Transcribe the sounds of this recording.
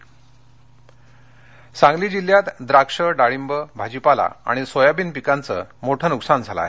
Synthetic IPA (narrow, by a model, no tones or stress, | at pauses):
sãŋɡliːd͡ʑiljat̪d̪ɾakʂəɖaɭimbəbʱad͡ʑipala̰a̰ɽ̃isojabiːnpikant͡sə̰moʈʰənuksand͡zʱala̰e